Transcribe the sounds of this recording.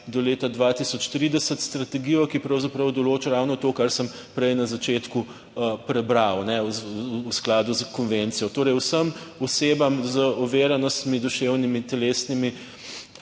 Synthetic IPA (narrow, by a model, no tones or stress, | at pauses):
d̪ɔleːt̪ad̪ʋat̪isɔt͡ʃt̪ɾid̪ɛsət̪st̪ɾɐt̪ɛɡiːjɔkipɾɐwzapɾəwd̪ɔloːt͡ʃaɾawnɔt̪oːkaɾsəm | pɾɛjnɐzat͡ʃeːt̪ku | əpɾɛbɾawnɛusklaːd̪uzkɔnʋent̪sijɔt̪oːɾɛjwsəmɔseːbamzəɔʋeːɾanɔst̪mid̪ɔʃewnimit̪ɛleːsnimi